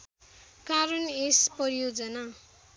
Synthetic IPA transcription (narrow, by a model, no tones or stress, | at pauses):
kaɾunespʌɾijod͡zʌna